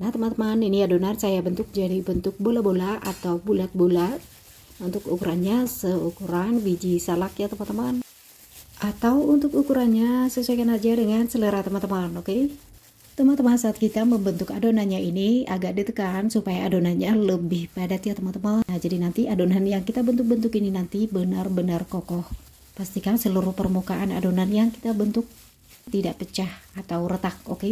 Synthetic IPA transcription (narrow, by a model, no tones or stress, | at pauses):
naht̪əmant̪əmaninijadonarsajabənt̪ʊk̚d͡ʒadibənt̪ʊk̚bolabolaʔat̪awbulat̪̚bola | unt̪ʊkukuɾanɲasəukuɾanbid͡ʒisalakjat̪əmant̪əman | ʔat̪awunt̪ʊkukuɾanɲasəsuajkanad͡ʒadəŋansələɾaht̪əmant̪əmanokej | t̪əmant̪əmansaːt̪̚kit̪aməmbənt̪ʊkadonaɲainiaɡaʔ̚dit̪əkansupajaːdonaɲaləbɪhpadat̪iat̪əmat̪əmanad͡ʒadinant̪iʔadonanjaŋkit̪abənt̪ʊk̚bənt̪ʊkininant̪ibənarbənarkokɔh | past̪ikansəluɾʊhpərmukaʔanadonanjaŋki̥t̪abənt̪ʊk̚ | t̪idaʔpət͡ʃahat̪awɾət̪ak̚oke